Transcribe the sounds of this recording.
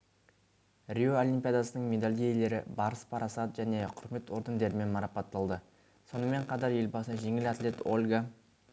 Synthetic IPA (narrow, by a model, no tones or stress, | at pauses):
rʲioolʲimpʲijad̪ɑsənəɴmʲe̞d̪alʲijele̞ɾɪ̰bɑɾəspʰɑɾɑsɑt̪əʒæne̞qʰʊɾme̞t̪o̞ɾd̪end̪e̞ɾɪme̞nmɑɾɑpɑt̪ːɑlˠd̪ə | so̞nəme̞ɴqʰɑt̪ɑɾje̞lbɑsəʒe̞ŋɪlat̪lʲe̞t̪o̞lʲɡa